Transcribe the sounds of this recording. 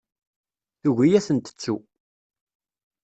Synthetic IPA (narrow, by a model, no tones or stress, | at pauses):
θuʝijæsənt̪ə̥t͡sːu